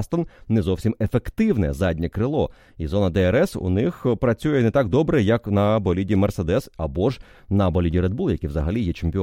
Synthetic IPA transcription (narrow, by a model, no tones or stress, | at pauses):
st̪ɐnnɛzɔwsʲimefe̞kt̪ɪwnɛ̰zɑdʲnʲɛkɾɪlˠɔ | izɔnɐd̪ɛɛɾɛsṵnɪxpɾɐt͡sʲujɛnɛt̪ɑɡd̪ɔbɾɛjɐknɐbɔlʲidʲimersed̪ɛsɐbɔʒnɐbɔlʲidʲiɾed̪bulˠjɐkʲiʋzɐɦɐlʲijɛt͡ʃemʲpʲɪ